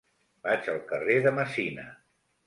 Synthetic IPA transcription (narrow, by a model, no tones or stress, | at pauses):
bad͡ʒəlˠkəreðəməsinə